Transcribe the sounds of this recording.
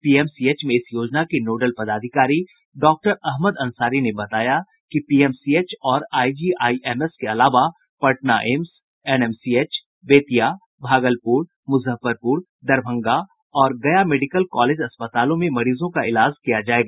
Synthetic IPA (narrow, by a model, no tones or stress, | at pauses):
piːeːmsieːt͡ʃmẽɪsjoːd͡ʒnakinoːɖəlpɐd̪aːd̪ʱɪkaːɾi | ɖɔːk̚ʈəɾɐɦməd̪ɐ̃nsaːɾinebɐt̪aːja | kipiːɛːmsieːt͡ʃɔːɾaːid͡ʒiːʔaːiʔeːmɛskeɐlaːʋa | pɐʈnaʔems | ɛːnɛːmsiːeːt͡ʃ | beːt̪ija | bʱaːɡəlpuːɾ | mʊzəfəɾpuːɾ | d̪ɐɾbʱə̃ŋɡa | ɔːɾɡɐjameːɖɪkəlkɔːleːd͡ʒɐspət̪aːlõmẽmɐɾiːzõkaɪlaːd͡ʒkijad͡ʒaːeːɡaː